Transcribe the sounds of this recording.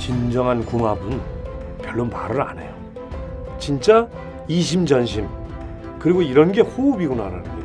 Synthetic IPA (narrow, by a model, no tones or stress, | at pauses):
t͡ɕind͡ʑʌŋɦankuŋɦabɯnpjʌɭːonmaɾɯɾa̰ne̞jo | t͡ɕint͡ɕ͈a | iɕ̬ʰimd͡ʑʌnɕʰim | kɯɾiɡoiɾʌnɡe̞ɸubiɡunaɾa̰nɯɲid